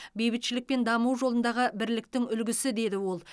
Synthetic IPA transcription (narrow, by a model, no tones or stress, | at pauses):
be̞jbɪt̪ʃɪlɪk̚pe̞nd̪ɑmuwʒo̞lˠənd̪ɑʁəbɪɾlɪk̚t̪ɪŋʏlɡʲɪsɪd̪e̞d̪ɪwo̞lˠ